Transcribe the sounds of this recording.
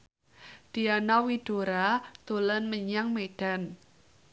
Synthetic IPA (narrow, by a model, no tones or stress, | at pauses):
d̥ianawiɖ̥o̤ɾad̪̥olənməɲaŋmeɖ̥a̤n